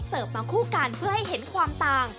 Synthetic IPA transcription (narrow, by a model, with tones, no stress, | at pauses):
sɤː˨˩p̚baː˧ŋkʰuː˥˩ka˧npʰɯ˥˩ɐha˥˩jɦe˩˦nkʰwaː˧mt̪aː˧ŋ